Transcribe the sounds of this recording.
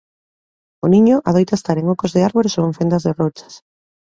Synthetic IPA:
onĩɲoʔaðojt̪aest̪aɾeŋokozðɪaɾβoɾesoeɱfend̪azðerot͡ʃḁs

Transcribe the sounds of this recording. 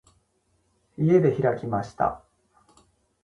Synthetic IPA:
ie̞d̪e̞çiɾakʲimaɕi̥t̪a̰

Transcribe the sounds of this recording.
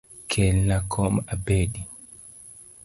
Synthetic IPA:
kʰɛlːakʰɔmabeɗi

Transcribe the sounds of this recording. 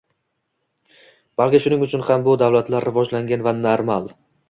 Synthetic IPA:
b̥alkʲɪʃʊnɪŋʊt͡ʃʰʊnhambʊd̪awlat̪laɾːɪvɒd͡ʒlaŋɡʲanvanaɾmalˠ

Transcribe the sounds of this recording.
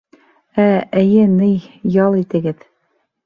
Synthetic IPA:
æɘ̆jɘnɘjjɑlˠit̪ɘ̆ɡɘð

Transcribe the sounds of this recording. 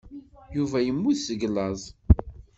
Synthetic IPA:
juvæjəmːuθsəɡlɑzˤ

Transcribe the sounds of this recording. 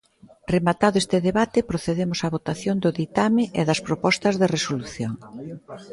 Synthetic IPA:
remat̪aðʊest̪ɪðeβat̪ɪpɾoθeðemʊsɐβot̪aθjond̪ʊðit̪amɪʔeðɐspɾopɔst̪ɐzðeresoluθjoŋ

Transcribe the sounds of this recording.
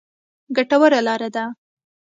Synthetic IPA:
ɡaʈawəɾalɑɾad̪a

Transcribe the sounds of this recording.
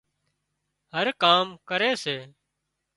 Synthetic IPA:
həɾkaːmkəɾeːseː

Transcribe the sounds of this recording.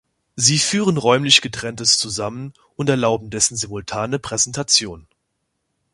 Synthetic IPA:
ziːfyːʁ̞ənʁɔʏmlɪçɡ̥ətʁ̥ɛntəst͡suzamən | ʔʊntɛɐlaʊbm̩dɛsn̩zɪmʊltʰaːnəpʁ̥ɛzɛntʰat͡sjoːn

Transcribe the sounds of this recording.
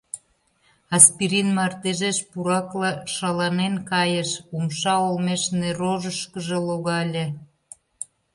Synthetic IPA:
ɑspiɾinmɑrt̪eʒeʃpuɾɑklɑʃɑlɑnenkɑjəʃumʃɑolmeʃneɾoʒəʃkəʒĕloɣɑlʲĕ

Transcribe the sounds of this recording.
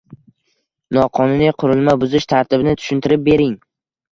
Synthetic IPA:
nɒqʰɒnʊnijqʰʊɾɪlˠmabʊzɪʃt̪ʰaɾt̪ʰɪbɪnɪt̪ʰʊ̥ʃʊnt̪ɪɾɪp̚be̞ɾɪŋ

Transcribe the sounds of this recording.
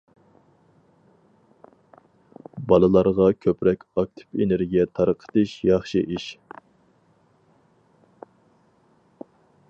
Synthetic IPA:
bɑlˠɨlˠɑɾʁɑkʲʰøpɾɛkʲɑk̚t̪ʰɪ̥peneɾɡʲijɛt̪ʰɑɾəqʰə̥t̪ɨʃjɑχʃɨʔiʃ

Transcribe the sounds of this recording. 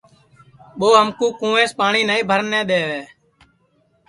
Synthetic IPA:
ɓoːɦəmkũːkũːeːspaːɳiːnəĩːbʱəɾənːɛ̃ːɗeːʋeː

